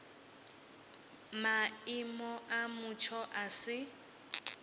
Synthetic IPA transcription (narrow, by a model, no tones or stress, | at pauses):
maimɔʔamʊt͡ʃʰɔʔasɪ